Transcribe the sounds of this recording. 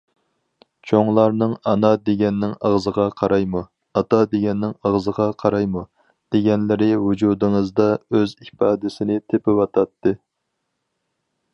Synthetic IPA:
t͡ʃʰoŋlˠɑɾnɨŋɑnɑd̪eɡʲɛnːɪŋɑʁzəʁɑqʰɑɾɑjmu | ɑt̪ɑd̪eɡʲɛnːɪŋɑʁzəʁɑqʰɑɾɑjmu | d̪̥eɡʲɛnlɪɾɪwud͡ʒud̪ɨŋɨzd̪ɑøzipɑːd̪ɪsɪnɪt̪ʰepɪwɑt̪ʰɑt̪ʰːɨ

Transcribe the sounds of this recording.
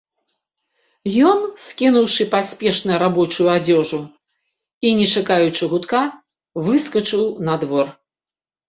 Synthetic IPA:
jɔnsʲkʲinuwʂɨpasʲpʲɛʂnɐɾabɔt͡ʂujuad͡zʲɔʐu | inʲɛt͡ʂakajut͡ʂɨɣut̪ka | vɨskɐt͡ʂɨwnɐd̪vɔr

